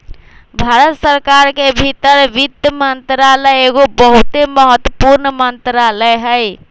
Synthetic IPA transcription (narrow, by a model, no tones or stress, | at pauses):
bʱaɾət̪səɾkaɾkebʱit̪əɾʋid̪jəmənt̪ɾaləjeɡobəɦut̪eməɦət̪wəpuɾnəmənt̪ɾaləɦəj